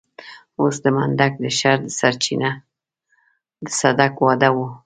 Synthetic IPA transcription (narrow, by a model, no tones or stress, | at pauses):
osd̪əmand̪ak̚d̪əʃaɾd̪əsaɾt͡ʃina | d̪əsad̪akwɑd̪awu